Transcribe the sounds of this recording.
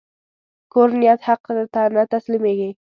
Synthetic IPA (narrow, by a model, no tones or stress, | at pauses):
kʰɵɾnɪjat̪hɑqːɨd̪at̪ʰanat̪ʰaslɪmeɡʲaŋ